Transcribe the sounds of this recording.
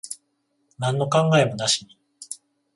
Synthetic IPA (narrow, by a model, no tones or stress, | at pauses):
nãnːo̞kãŋɡae̞mo̞naɕi̥na